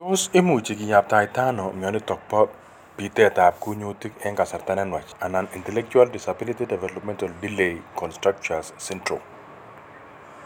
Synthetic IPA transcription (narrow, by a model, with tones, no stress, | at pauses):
tose˦mu˨t͡ʃi˨kɪ˨ja˨p̚t̪a˨jt̪anɔ˨mɪ˨ɔ˨nɪ˦tɔ˨k̚pɔ˦ | pi˨te˦t̪a˨p̚ku˦ɲo˦ti˦kɛ˦ŋka˨sa˨ɾt̪a˦nɛnwa˨t͡ʃa˨na˨ni˨ntɛlɛ˦k̚t͡ʃualdisabi˦litidɛ˨vɛlɔpmɛ̃˦ntaldilekɔnstɾak̚t͡ʃasːɛntɾo̰˨